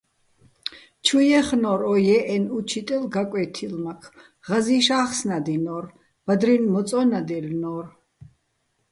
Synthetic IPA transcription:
t͡ʃʰujɛχnɔɾɔjɛʔɛnut͡ʃʰit̪ʼɛlɡakʼɛt̪ʰilmakʰ | ʁaziːʃaːχsnad̪inɔːɾ | b̥ad̪ɾinmɔt͡s̪ʼɔnad̪ɛlnɔːr

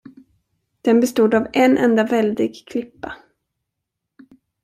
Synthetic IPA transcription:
d̪̥ɛnbɛst̪uːd̪avɛnʔɛnd̪avɛld̪ɪɡkʰlɪpːa

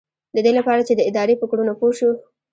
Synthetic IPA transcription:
d̪əd̪elapɑɾat͡ʃed̪əɪd̪ɑɾepəkɽunopoʃu

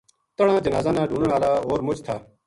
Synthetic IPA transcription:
t̪əɽãːd͡ʒənaːzãːnãːɖʱũːnəɳaːlaːɦoːɾmʊt͡ʃt̪ʰaː

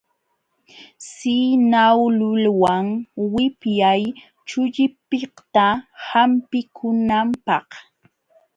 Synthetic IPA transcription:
sinawlʊlwaŋwɪpjaj | t͡ʃʊʎɪpɪht̪ahampɪkʰʊnampɑh

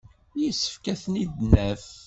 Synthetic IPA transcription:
jisːə̥fkæθnid̪næf

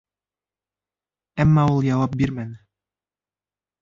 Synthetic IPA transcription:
æmːæulˠjɑwɑp̚biɾmænɘ

